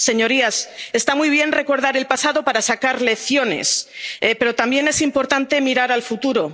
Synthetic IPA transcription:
se̞ɲo̞ɾiase̞st̪amujβ̞je̞nre̞ko̞ɾð̞aɾe̞lpasaðo̞paɾasakaɾle̞θjone̞̰sepe̞ɾo̞t̪ambje̞ne̞simpo̞ɾt̪ant̪e̞miɾaɾalfut̪uɾo̞

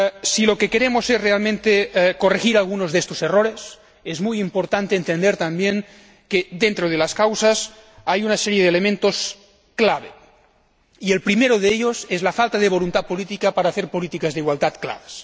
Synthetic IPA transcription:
silokekeɾemosesrealmẽnt̪ekorexiɾalɣunozðest̪oseroɾes | ezmujimpoɾt̪ant̪eːnt̪end̪eɾt̪ambjeŋ | keðent̪ɾoð̞elaskawsas | ajunaseɾjeðelemẽnt̪os | klaβ̞e | ielpɾimeɾoðeeʎosezlafalt̪aðeβ̞olunt̪at̪̚polit̪ikapaɾaːθeɾpolit̪ikazðeiɣwald̪at̪kla̰βas

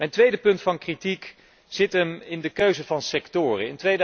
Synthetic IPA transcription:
mɛjntʋejdəpɵntfɑnkritik | z̥ɪtəmɪndəkøɥzəvɑnsɛktʊːrəɪntʋejd

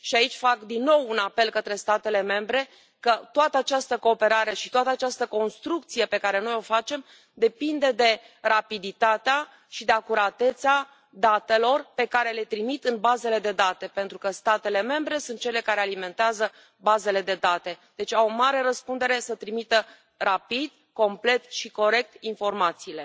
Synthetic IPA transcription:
ʃiait͡ʃʲfakd̪inːo̞wunape̞lkət̪ɾe̞st̪at̪e̞le̞me̞mbɾe̞ | kət̪oat̪əat͡ʃast̪əko̞ːpe̞ɾaɾe̞ʃit̪oat̪əat͡ʃast̪əko̞nst̪ɾuk̚t̪sije̞pe̞kaɾe̞no̞jo̞fat͡ʃe̞m | d̪e̞pind̪e̞d̪e̞ | rapid̪it̪at̪ea | ʃid̪eakuɾat̪e̞t̪sa | d̪at̪e̞lo̞rpe̞kaɾe̞le̞t̪ɾimit̪ɨnbaze̞le̞d̪e̞d̪at̪e̞pe̞nt̪ɾukəst̪at̪e̞le̞me̞mbɾe̞sunt̪̚t͡ʃe̞le̞kaɾe̞alime̞nt̪eazə | baze̞le̞d̪e̞d̪at̪e̞d̪̥e̞t͡ʃʲawomaɾe̞ɾəspund̪e̞ɾe̞sət̪ɾimit̪ə | rapid̪̥̚ | ko̞mple̞t̪ʃiko̞ɾe̞k̚t̪info̞rmat̪siːle̞

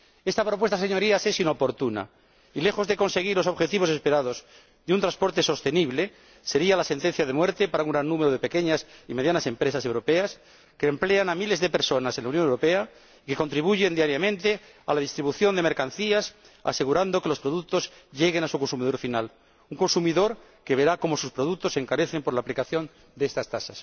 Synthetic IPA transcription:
e̞st̪apɾo̞p̬we̞st̪aseɲo̞ɾiase̞sino̞po̞ɾt̪una̰ | ile̞xo̞zðe̞ko̞nse̞ɣ̞iɾlo̞so̞βxe̞t̪iβo̞se̞spe̞ɾað̞o̞z | ðeunt̪ɾanspo̞ɾt̪eso̞st̪e̞niβle̞ | se̞ɾialase̞nt̪e̞n̟θjaðe̞mwe̞ɾt̪e̞paɾauŋɡɾanːumeɾoð̞e̞pe̞keɲasime̞ðjanase̞mpɾe̞sasewɾo̞pe̞as | ke̞ːmple̞anamile̞zðe̞pe̞ɾso̞nasenlaunjonewɾope̞a | ike̞kont̪ɾiβ̞uʝe̞nd̪jaɾjamẽnt̪e̞ | a̰lað̞ist̪ɾiβuθjo̞nd̪e̞me̞ɾkanθias | a̰se̞ɣ̞uɾand̪o̞ke̞lo̞spɾo̞ðuk̚t̪o̞zʝe̞ɣ̞e̞nasuko̞nsumiðo̞ɾfinal | uŋko̞nsumiðo̞ɾ | ke̞βe̞ɾako̞mo̞suspɾo̞ð̞uk̚t̪o̞se̞ŋkaɾe̞θe̞mpolaːplikaθjo̞n | d̪eest̪ast̪asas

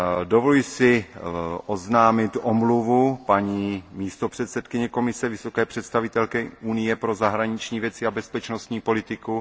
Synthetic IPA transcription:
dovolljɪsɪ | ʔoznaːmɪt̪ʔomluvupaɲiːmiːst̪o̞pr̥ɛt̪sɛt̪kɪɲɛko̞mɪsɛvɪso̞kɛːpr̝̥ɛt̪st̪avɪt̪ɛlkɛunɪjɛpɾo̞zaɦɾaɲɪt͡ʃɲiːvjɛt͡sɪabɛspɛt͡ʃnost̪ɲiːpo̞lɪt̪ɪku

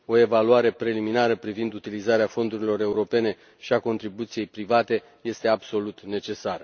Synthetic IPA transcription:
o̞e̞valuaɾe̞pɾe̞liminaɾəpɾivind̪ut̪ilizaɾeafo̞nd̪uɾilo̞ɾe̞uɾo̞pe̞ne̞ | ʃiako̞nt̪ɾibut̪sije̞jpɾivat̪e̞ | je̞st̪e̞abso̞lut̪ne̞t͡ʃe̞saɾə

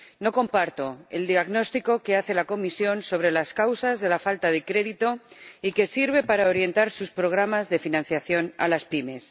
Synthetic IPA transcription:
no̞ko̞mpaɾt̪o̞e̞̰ld̪iaɣno̞st̪iko̞ke̞aθe̞lako̞misjo̞nso̞β̞ɾe̞laskawsazðe̞lafalt̪aðe̞kɾe̞ðit̪o̞ike̞siɾβ̞e̞paɾao̞ɾje̞nt̪aɾsuspɾo̞ɣ̞ɾamazðe̞finãnθjaθjo̞na̰laspime̞s

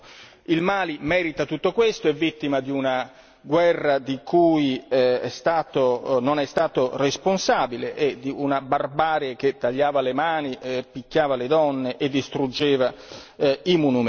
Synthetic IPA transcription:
ilmaːlimɛːɾit̪at̪ut̪ːokwest̪oɛvːit̪ːimad̪iuna | ɡwɛrːad̪ikuːjɛɛst̪aːt̪ononɛst̪aːt̪oresponsaːbileʔɛd̪iunabarbaːɾek̟et̪ːaʎːaːvalemaːniɛpikːaːvaled̪ɔnːeʔed̪ːist̪ɾud͡ʒːeːva | imunum

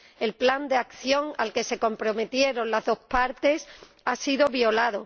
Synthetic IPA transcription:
e̞lpland̪eakθjo̞ŋa̰lke̞se̞ko̞mpɾo̞me̞t̪je̞ɾo̞nlazðo̞hpaɾt̪e̞s | asiðo̞βjo̞laðo

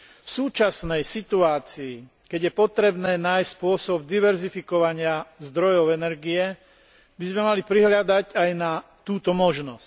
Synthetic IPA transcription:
fsuːt͡ʃasnɛjsit̪uaːt͡siːkɛɟjɛpɔt̪ɾɛbnɛːnaːjsspʊɔsɔb̚d̪iʋɛɾzifikɔʋaɲɪazd̪ɾɔjɔʊɛnɛɾɡiɛ | bizmɛmalipɾiɦlɪad̪acajnat̪uːt̪ɔmɔʒnɔsc

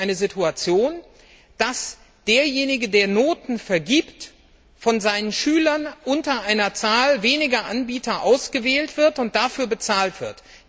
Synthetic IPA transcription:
aɪnəzɪtʰuat͡sjoːn | d̥as | d̥eːɐjeːnɪɡədeːɐnoːtn̩fɛɐɡiːpt | fɔnzaɪnənʃyːlɐnʔʊntɐʔaɪnɐt͡saːlveːnɪɡɐʔanbiːtʰɐʔa̰ʊsɡ̥əvɛːltv̥ɪɐtʊnt̚d̥afyːɐbət͡saːltv̥ɪɐt

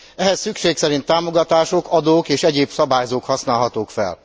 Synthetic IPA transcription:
ɛɦɛsːykʃeːksɛɾint̪ːaːmoɡɒt̪aːʃokɒd̪oːkeːʃɛɟeːbsɒbaːjzoːkhɒsnaːlɦɒt̪oːkfɛ̰l

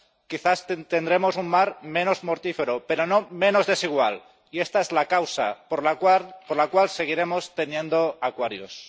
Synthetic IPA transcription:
kiθast̪end̪ɾe̞mo̞suŋmaɾmẽ̞no̞zmo̞ɾt̪ife̞ɾope̞ɾo̞nomẽ̞no̞zðe̞siɣ̞wal | ie̞st̪aezlakawsa̰poɾlaapoɾlakwalse̞ɣiɾe̞mo̞st̪e̞njẽ̞nd̪o̞akwaɾjo̰s

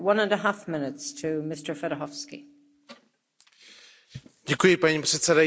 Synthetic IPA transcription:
wʌ̃nə̃nəɦafmɪnɪtstʰəmɪstə˞fɛɾəɦɔfskḭ | ɟɛkujɪpaɲipr̥ɛt̪sɛda

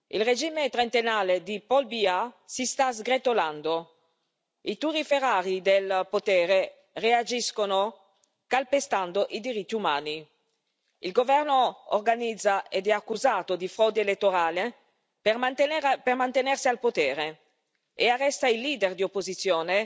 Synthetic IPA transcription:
ḭlred͡ʒiːmet̪ɾent̪enaːled̪ipɔlbiasist̪azɡɾet̪oland̪o | it̪uriferaːɾid̪elpot̪ɛːɾe | read͡ʒiskono | kalpest̪and̪oʔid̪iɾit̪ːiumaːni | ilɡovɛrnoo̰rɡanid̪zːaed̪ɛakːuzaːt̪od̪ifɾɔːd̪eelet̪ːoɾaːle | permant̪enɛrsialpot̪ɛːɾe | earːɛst̪ailːiːd̪erd̪iopːozit̪sːjoːne

